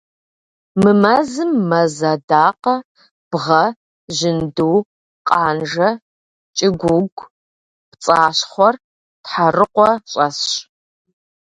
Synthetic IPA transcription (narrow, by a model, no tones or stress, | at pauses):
mɨmɐzɨmːɐzɐdaːqɐ | b̥ʁɐ | ʒɪnduː | qʼaːnʒɐ | t͡ʃʼɪɡʷʊɡʷ | pt͡sʼaːɕχʷɔr | tħarɨqʷɔɕʼɐsɕ